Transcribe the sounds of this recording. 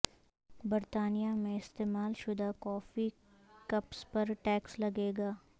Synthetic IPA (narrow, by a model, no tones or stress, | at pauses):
bɐɾt̪aːnijamẽɪst̪eːmaːlʃʊd̪akɔːfi | kɐpspɐɾʈɛːkslɐɡeːɡaː